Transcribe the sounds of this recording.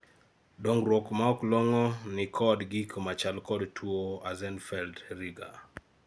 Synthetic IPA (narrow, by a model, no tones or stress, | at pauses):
doŋɾwɔkmaɔklɔŋɔnɪkʰɔdɡikʰomat͡ʃalkɔdtʰwoazɛnfɛldriɡa̰